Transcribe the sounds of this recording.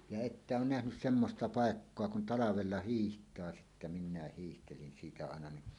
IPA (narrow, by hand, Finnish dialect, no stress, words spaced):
jɑ etːæ oːn næhnys semːostɑ pɑˑekːoɑ kun ʔtɑlɑʋelːɑ hiːhtˑɑː sitːæ nim minæ hiːhtelin siːtæ ɑˑenɑ ni